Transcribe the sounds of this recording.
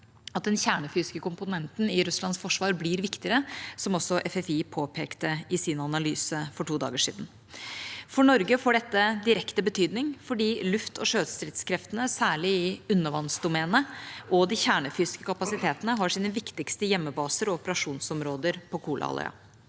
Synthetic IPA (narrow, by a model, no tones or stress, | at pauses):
ɑt̪̚d̪ɛnçæːɳəfyːskəkʊmpʊnɛnt̪nɪɾʉslɑnsfɔʂʋɑːɾblɪːɾʋɪkt̪ɪəɾəsɔmɔsːɔʔɛfɛfiːpʰoːpʰḛːkt̪əɪsɪnɑnɑlyːsəfɔʈuːd̪ɑ̰ːɡəʂḭːd̪n̩ | fɔɳɔɾɡəfoːɖɛt̪ːəd̪ɪɾɛkt̪əbət̪ʰyːd̪nɪŋfɔɖiːlʉft̪ʰɔʂøːd̪st̪ɾɪt̪skʰɾɛft̪ənəsæːɭɪɪʉnːəʋɑnsd̪ʊmeːnəʔɔd̪ɪçæːɳəfyːskəkʰɑpɑsɪt̪ʰeːt̪ənəɦɑʂiːnəʋɪkt̪ɪkst̪əjɛmːəbɑːsəɾɔɔpəɾɑʂuːnsɔmɾoːd̪əɾpʰɔkʰuːlʔɑ̰ɑ̰lə̰ɑ̰